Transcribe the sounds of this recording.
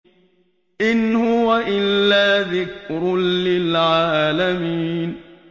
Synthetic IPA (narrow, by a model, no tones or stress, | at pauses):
ʔɪnhʊwaʔɪlːaːðɪkɾʊlɪlʕaaːlamiːn